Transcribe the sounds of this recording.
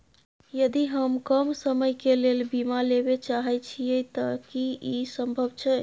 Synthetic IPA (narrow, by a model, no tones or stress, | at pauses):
jəd̪iɦəmkəmsəməjkelelbimalebet͡ʃaɦɛt͡ʃʰijet̪əkiisəmbʱəbt͡ʃʰɛ